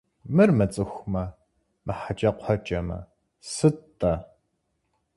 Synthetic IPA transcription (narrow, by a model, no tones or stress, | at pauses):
mɨrmɐt͡sʼɨxʷmɐ | mɨħat͡ʃʼɐqʷħɐt͡ʃʼɐmɐ̰ | sɨtʼːɐ